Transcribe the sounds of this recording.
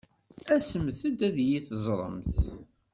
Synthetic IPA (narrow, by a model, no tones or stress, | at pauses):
æsəmθæd̪æðjiθzˤɾˤə̰mθ